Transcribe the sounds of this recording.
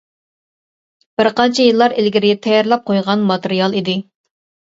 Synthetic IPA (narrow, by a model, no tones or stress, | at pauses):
b̥ɪɾqɑnt͡ʃʰɛjɨlˠːɑɾɪlɡʲiɾɪɡʲɛt̪ʰɛjɑɾlˠɑp̚qʰojʁɑnmɑt̪eɾijɑlˠid̪ɪ